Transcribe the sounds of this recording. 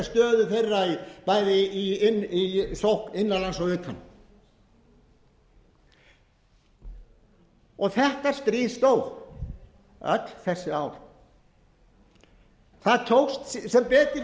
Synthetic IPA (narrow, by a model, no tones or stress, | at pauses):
st̪œːðʏθejrːaipaːjðɪinisowhkɪnːalansɔʏːt̪hanː | ɔɣθɛht̪aɾ̥st̪ɾiːst̪ow | œ̰t̪lθɛsːɪaːwɾ | θaðt̪ʰowxst̪sɛmpɛːt̪ɪ